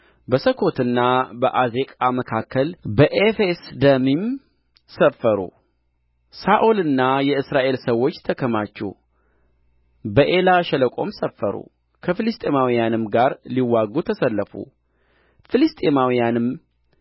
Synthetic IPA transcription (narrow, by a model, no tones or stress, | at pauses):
bəsəkʰo̞t̪ɨnːabəʔazekʼaməkʰakʰːəlbəʔefesd̪əmim | səfːəɾṵ | saʔolɨnːajɛɨsɾaʔe̞lsəwːo̞t͡ʃːt̪ʰəkʰəmat͡ʃːɛ̰w | bəʔe̞laʃɛləkʼo̞̰msəfːəɾṵ | kʰəfɨlist̪ʼemawijanɨmɡaɾliwːaɡut̪ʰəsəlːəfṵ | fɨlist̪ʼemawijanɨm